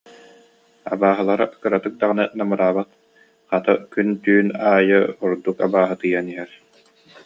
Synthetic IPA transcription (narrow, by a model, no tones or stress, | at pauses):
a̰baːɦɯlˠaɾaʔkɯɾat̪ɯk̚d̪aʁɯnɛnamɯɾaːbat̪ | χat̪ɯkynt̪yːnaːjɯuɾd̪ukabaːɦɯt̪ɯjaniɦɛɾ